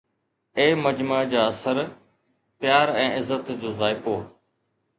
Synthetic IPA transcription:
eːməd͡ʑmad͡ʑaːəsəɾ | pjaːɾɛ̃ːɪzət̪d͡ʑoːzaːɪpoː

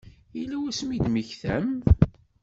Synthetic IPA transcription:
ilːæwæsmid̪məçθæm

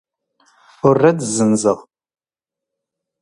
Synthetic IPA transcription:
forɐdzɨnzɐʁ

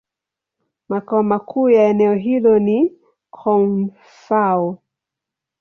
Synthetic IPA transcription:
makaɔmakʰuːjaɛnɛɔɦilɔni | kʰɔnn | faɔ

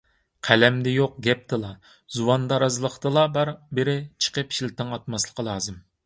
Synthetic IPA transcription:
qʰælɛmd̪ɛjoq̚ɡʲɛp̚t̪ʰɨlˠɑ | zuwɑnd̪ɑɾɑzɨlˠəχt̪ɨlˠɑbɑɾbɪɾɪt͡ʃʰə̥qəpʃilt̪ɨŋɑt̪̚mɑslˠə̥qʰɑlˠɑːzɨm

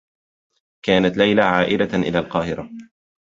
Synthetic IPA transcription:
kaːnat̪lajlaʕaːʔɪd̪aʔɪ̰laːlqɑːhɪɾa

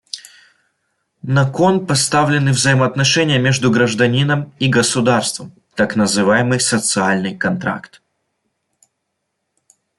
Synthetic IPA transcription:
nɐkonpɐst̪avlʲɪnɨvzəjɪmɐɐt̪nɐʂɛnʲɪjəmʲe̞ʐd̪ʊɡɾəʐd̪ɐnʲinəmiɡəsʊd̪arst̪vəm | t̪aknəzɨvajɪmɨjsət̪sɨalʲnɨjkɐnt̪ɾa̰kt̪

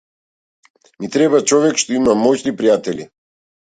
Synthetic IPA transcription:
mit̪ɾɛbat͡ʃɔvɛkʃt̪ɔimamɔcnipɾijat̪ɛli

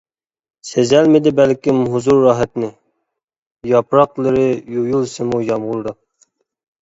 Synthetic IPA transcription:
sezɛlmɪd̪ɪbælkʲɪmɦuzuɾːɑːɦɛt̪nɪ | jɑpɾɑqlˠɨɾɪjujulˠsɨmujɑmʁʊlˠd̪ɨ

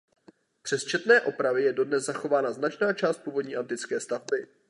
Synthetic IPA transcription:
pr̥ɛst͡ʃɛt̪nɛːʔo̞pɾavɪjɛdo̞dnɛzzaxo̞vaːnaznat͡ʃnaːt͡ʃaːst̪̚puːvo̞dɲiːʔant̪ɪt͡skɛːst̪avbɪ

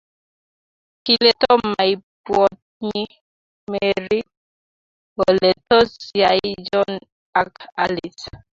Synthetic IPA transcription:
kilet̪ɔmaibwɔt̚ | ɲi | meɾi | ɔlet̪ɔsjajd͡ʒɔn | akalis

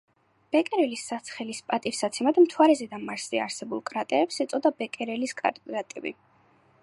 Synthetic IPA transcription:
b̥ɛkʼɛɾɛlisːat̪sʰχɛlispʼat̪ʼifsat̪sʰɛmad̪mt̪ʰwaɾɛzɛd̪amaɾsia̰ɾsɛbulˠkʼɾat̪ʼɛɾɛpsɛt̪sʼɔd̪abɛkʼɛɾɛliskʼa̰ɾʼat̪ʼɛ̰bḭ

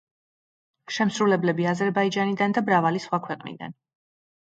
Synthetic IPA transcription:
ʃɛmsɾulɛblɛbiazɛɾbaid͡ʒanid̪and̪abɾavalisχwakʰwɛqʼnḭd̪a̰n

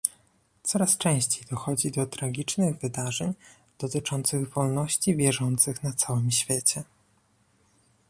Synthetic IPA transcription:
t̪sɔɾast͡ʂɛ̃w̃ɕt͡ɕejd̪ɔxɔd͡ʑid̪ɔt̪ɾaɡʲit͡ʂnɘɣvɘd̪aʐɛɲ | d̪̥ɔt̪ɘt͡ʂɔnt̪sɘɣvɔlnɔɕt͡ɕivʲjɛʐɔnt̪sɘxnat̪sawɘmɕfʲjet͡ɕɛ

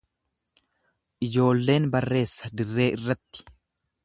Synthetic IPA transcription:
ʔɪd͡ʒo̞ːlːe̞ːnbɐrːe̞ːsːɐd̪ɪrːe̞ːʔɪrːɐt̪ːɪ̥

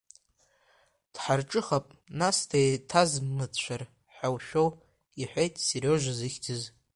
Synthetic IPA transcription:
d̥ħarʈ͡ʂʼɨχapʼnastʰajtʰazmɨt͡ʃʷʰar | ħawʃᶣo̞w | iħʷᶣejtʼsiroʒʷazɨxʲtʰɨz

